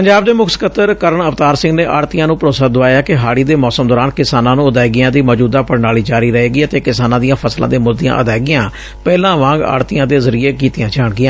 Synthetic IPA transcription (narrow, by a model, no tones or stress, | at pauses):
pəɲd͡ʒaːb̚d̪eːmʊkʰskət̪əɾkəɾəɳəft̪aːɾsɪ̃ŋɡneːʔa̰ːɽt̪ɪjãːnũːpəɾoːsaːd̪ʊʋaːjaːkɪɦaːɽiːd̪eːmɔːsəmd̪ɔːɾaːnkɪsaːnãːnũːəd̪aːjɡɪjãːd̪iːmɔːd͡ʒuːd̪aːpəɽnaːɭiːd͡ʒaːɾiːɾəɦeːɡiːt̪eːkɪsaːnãːd̪ɪijãːpʰəslã̰ːd̪eːmʊld̪ɪjã̰ːʔəd̪aːɡɪjãː | pɛːlãːʋãːŋɡa̰ːɽt̪ɪjãːd̪eːzəɾiːeːkiːt̪ɪjãːd͡ʒaːɳɡɪjãː